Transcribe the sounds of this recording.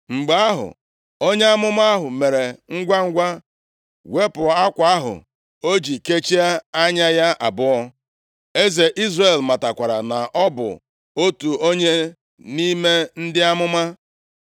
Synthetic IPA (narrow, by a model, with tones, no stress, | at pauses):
ŋ͡m̩˨ɡ͡ba˦a˦ɦʊ̰˨ | o˦ɲe˦a˦mʊ˦ma˦a˦ɦʊ˨me˨ɾe˨ŋ̩˦ɡʷa˦ŋ̩˦ɡʷa˦ | we˦pʊ˨˦a˦kʷa˨a˦ɦʊ̰˨ | o˦d͡ʒi˨ke˦t͡ʃi˦a˦a˦ɲa˦ja˦ʔa˨bʊ˦ɔ˦ | e˦ze˨ʔi˦zre˨lma˨ta˨kʷa˨ɾa̰˨na˨ʔɔ˦bʊ̰˨ | o˦tu˨o˦ɲe˦ | ni˦me˦n̩˦dɪ˦a˦mʊ˦ma˦